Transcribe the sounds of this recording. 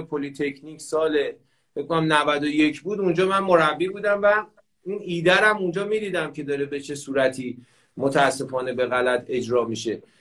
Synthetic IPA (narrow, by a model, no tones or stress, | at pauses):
pʰo̞lit̪ʰe̞cʰnicʰsɒːle | fekʰonæmnævæd̪o̞je̞cʰbuːd̪und͡ʒɒːmænmo̞ɾæbːiɡbuːd̪æmvæ | inʔiːd̪æɾæmund͡ʒɒːmid̪iːd̪æmcʰe̞d̪ɒːɾebe̞t͡ʃʰe̞suːɾæt̪ʰiː | mot̪ʰæːsːe̞fɒːne̞be̞ɣælæt̪ʰe̞d͡ʒɾɒːmiʃe̞